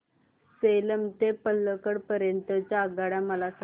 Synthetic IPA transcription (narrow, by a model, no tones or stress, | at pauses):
seləmt̪epəlːəkəɽpəɾjənt̪ət͡ɕaːɡaɽaməlas